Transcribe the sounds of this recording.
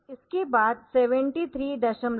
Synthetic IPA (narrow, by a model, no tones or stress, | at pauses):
ɪskebaːd̪seːʋə̃ɳʈit̪ʰɾiːd̪ɐʃəm